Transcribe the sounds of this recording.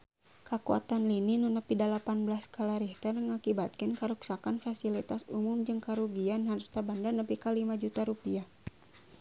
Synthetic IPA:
kakua̰t̪anlininunəpidalapanbəlaskalaɾiht̪ərŋakibat̪̚kənkəɾuksakanfasilit̪asumumd͡ʒɨŋkaɾuɡianɦaɾt̪abandanəpikalimad͡ʒut̪aɾupiah

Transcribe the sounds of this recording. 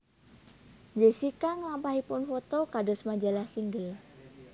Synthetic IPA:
d͡ʒəsikaŋlampaɦipʊnfot̪okadɔsmad͡ʒalahsiŋɡəl

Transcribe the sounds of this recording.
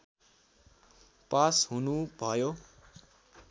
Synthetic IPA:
pasɦunubʱʌjo

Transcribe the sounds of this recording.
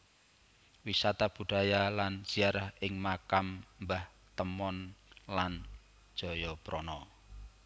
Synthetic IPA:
wisat̪ab̥ṳɖ̥a̤jaland͡ʒ̥iaɾahɪŋmakammbah | t̪əmɔnlan | d̥ʒ̥ɔ̤jɔpɾɔnɔ

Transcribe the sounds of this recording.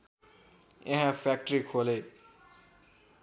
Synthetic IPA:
ḛɦãfʰak̚ʈɾikʰole

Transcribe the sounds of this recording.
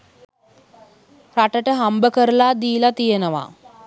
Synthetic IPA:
raʈəʈəɦambəkəɾəlaːd̪iːlat̪ijenəʋa̰

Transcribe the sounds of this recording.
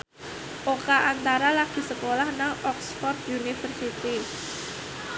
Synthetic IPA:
ʔokaʔant̪aɾalaɡ̥i̤səkolahnaŋɔksfɔrt̪̚junifərsit̪i

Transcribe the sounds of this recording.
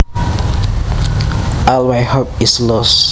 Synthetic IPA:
ʔalweɪhopɪslɔs

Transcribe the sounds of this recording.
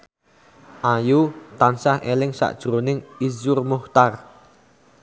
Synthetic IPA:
ʔajut̪ansahelɪŋsa̰ʔd̥ʒ̥ɾonɪŋizʊrmuht̪ar

